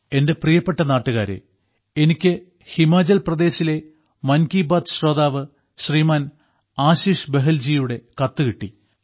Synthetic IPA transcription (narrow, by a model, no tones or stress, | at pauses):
e̞nde̞prijɐpːeʈːɐnaːʈːuɣaːɾḛ | enikʲːɨ | himaːd͡ʑɐlprɐd̪e̞ːɕile̞ | mɐnkiːbaːd̪ɕroːd̪aːʋɨ | ɕriːmaːn | aːɕiːʂbeɦɐld͡ʑijuɽe̞kɐt̪ːɨkiʈːi